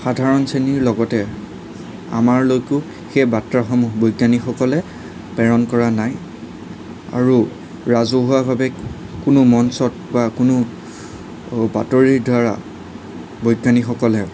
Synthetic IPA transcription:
xadʱaɹɔnseniɹlɔɡɔtɛ | a̰maɹlojkʊ | xejbatɹaxɔmubojɡanixɔkɔlɛ | pɛɹɔnkɔɹanaj | a̰ɹu | ɹazuɦʊwabʱabɛ | kʊnʊmɔnsɔt̚bakʊnʊ | ba̰toɹiɹdʱaɹa̰ | bojɡanixɔkɔlɛ

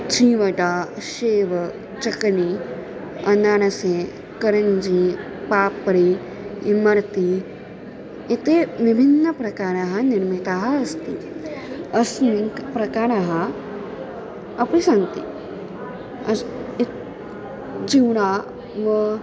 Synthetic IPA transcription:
t͡ʃʰiːʋɐʈaːʃeːʋɐ | t͡ʃɐkni | ɐnaːɽ̃ɐsẽ | kɐɾɐnd͡ʒi | paːpːɐɾi | imɐɾt̪i | it̪eʋibʱinːɐpɾɐkaːɾaɦɐniɾmit̪aɦɐɐst̪i | ɐsniŋkpɾɐkaːɾaɦɐ | ɐpɾisɐnt̪ḭ | ɐ | d͡ʒiwɽaː | ʋɐ

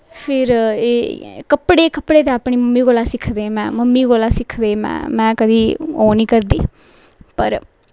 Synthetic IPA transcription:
pʰɪɾeːkəpɽeːkəpɽeːt̪eːaːpɳ̃iːməmːiːɡoːlaːsɪkʰd̪eːmɛ̰̃ːməmːiːɡoːlaːsɪkʰd̪eːmɛ̰̃ːmɛ̃ːkəd̪iːoːniːkəɾd̪iː | pə̰ɾ

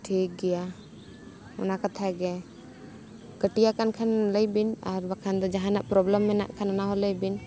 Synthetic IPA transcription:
ʈʰik̚ɡɛja | ɔ̰nakat̪ʰaɡɛ | kəʈijakankʰanləjbinaɾbakʰand̪ɔd͡ʒaɦanaʔpɾɔblɛmːɛna̰ʔkʰanɔnaɦɔləjbin

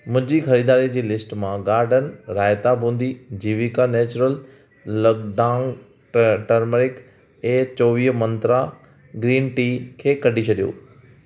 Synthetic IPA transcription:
mʊ̃ɦɪ̃d͡ʑixɐɾiːd̪aːɾid͡ʑiːlɪsʈmãɡaːɾɖənɾaːɪt̪abũːnd̪id͡ʑiːʋikanɛːt͡ɕʊɾəl | lɐɡɖaːŋ | ʈɐɾməɾɪk | eːt͡ɕɔːʋiːɦmɐ̃nt̪ɾa | ɡɾiːnʈiːkʰeːkɐɖʱit͡ɕʰɐɗijo̰ː

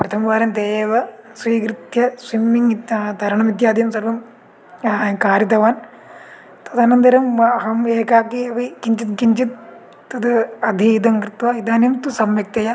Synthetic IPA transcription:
pɾɐt̪ʰɐmʋaːɾɐmd̪eːʋɐsʋiːkɾit̪jɐswimːiŋd̪ʱɐɾɐɳɐmid̪jaːd̪ijɐmsɐɾʋɐm | kaːɾjɐt̪ɐʋaːn | t̪ɐt̪ɐnɐnd̪ɐɾɐmɐɦɐmeːkaːkiɐʋikiɲt͡ʃit̪kiɲt͡ʃit̪ː | ɐt̪ɐd̪ʱijid̪ɐŋkɾit̪ʋɐid̪aːnjɐmt̪usɐmʋɐk̚t̪ɐjɐ

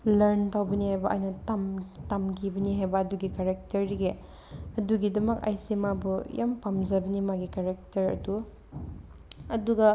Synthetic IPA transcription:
lɐɾntawbɐnihajbɐʔa̰jnɐtamtamɡibɐniɦajbɐːduɡikaɾek̚tɐɾiɡe | ɐduɡidɐmɐka̰jsimabuja̰mpamd͡ʒɐbɐnimaɡikaɾek̚tɐɾɐ̰du | ɐduɡɐ

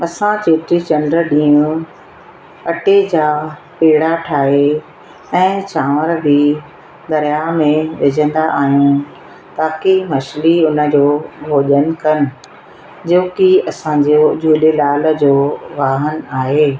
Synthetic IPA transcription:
ɐsãt͡ɕeːt̪ɾit͡ɕɐnɖɾə̆ɗĩːũ | ɐʈed͡ʑaːpeːɽaʈʰaːɦe | ɛ̃ːt͡ɕãːʋəɾbi | d̪ɐɾijamẽʋɪd͡ʑʱə̃nd̪aʔaːɦijũ | t̪aːkimɐʃliʊnə̆d͡ʑoːbʱoːʄən̆kɐnɪ̆ | d͡ʑoːkiɐsãd͡ʑod͡ʑʱuːɗelaːlə̆d͡ʑoːʋaːɦənaːɦeː

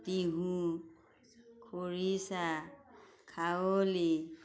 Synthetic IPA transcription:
tiɦũ | kʰoɹisa | kʰawoli

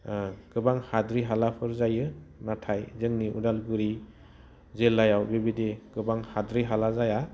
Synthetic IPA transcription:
ɡ̥ɯbaŋhadɾiɦalapʰɯɾzajɯnatʰajzɯŋniʔṵdalɡuɾi | zelːajawbebideɡ̥ɯbaŋhadɾiɦalazaja

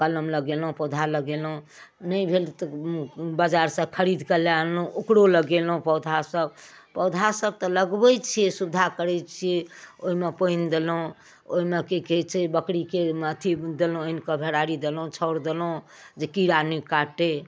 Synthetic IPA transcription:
kələmləɡelũpɔd̪ʱaləɡelɦũnəjbʱelt̪ɔbad͡ʒaɾsə̃kʰəɾid̪kəlalũʔukɽoləɡelɦũpɔd̪ʱasəbpɔd̪ʱasəb̚t̪ɔləɡbɛt͡ʃʰijesubd̪ʱakəɾɛt͡ʃʰijeoɦimepəind̪elũ | o̰ɦimekeket͡ʃʰibəkɽikemat̪ʰid̪elũenkəbʱeɾaɾid̪elũt͡ʃʰəʊɾd̪elũ | d͡ʒekiɾanikaʈe

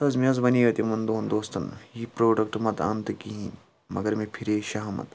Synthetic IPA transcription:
t̪ɐzmiɐzbɐniːʋɐt̪imɐnd̪oːnd̪oːst̪ɐnjipɾoːɖɐk̚ʈmɐt̪ɐ̰nt̪ɨkiɦĩ | mɐɡɐɾmẽpʰiɾeːʃɐɦɐmɐ̰t̪

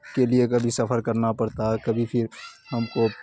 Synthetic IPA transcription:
keliekɐbʱisɐpʰəɾkɐɾnapɐɽt̪aɦɛkɐbʱipʰɪɾɦɐmko

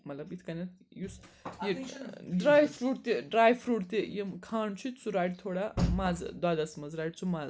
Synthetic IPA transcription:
mɐt̪lɐbit̪ʰkɐnɐt̪ | jusjeɖɾaːjfɾuːʈt̪eɖɾaːjfɾuʈt̪ejemkʰaːɳt͡ʃʰut͡suɾaːjʈt̪ʰoːɽamaːzd̪aːd̪asmɐzɾaːʈt͡sumaz

